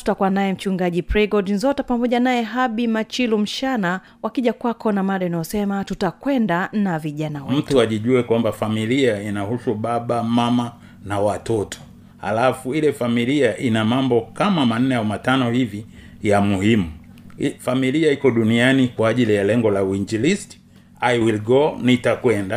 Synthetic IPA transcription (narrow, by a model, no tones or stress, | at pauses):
u̥takuanaɛm̩t͡ʃuŋɡaʄipɾɛɡɔdinzɔtapamɔʄanajɛɦaɓimat͡ʃilum̩ʃana | wakiʄakwakɔnamaɗainajɔsɛmatutakwɛndanaviʄanawɛmm̩tuaʄiʄuɛkwambafamiliainahusuɓaɓamama | nawatɔtʰɔ̥ | ha̰lafuilɛfamiliaʔinamambɔkamaman̩nɛaumatanɔhivi | jamuhimu | familiaikɔɗunianikwaːʄilijalɛŋɡɔlauiɲd͡ʒilisti̥ | aiwilɡɔnitakwɛnda